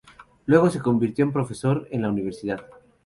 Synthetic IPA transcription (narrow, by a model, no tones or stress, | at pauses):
lwe̞ɣo̞se̞ko̞mbiɾt̪joumpɾo̞feso̞ɾe̞nlauniβ̞e̞ɾsiðað